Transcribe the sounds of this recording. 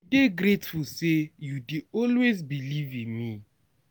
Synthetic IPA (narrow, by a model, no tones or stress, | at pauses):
deɡɾetfusejudiɔlwezbilivĩnmi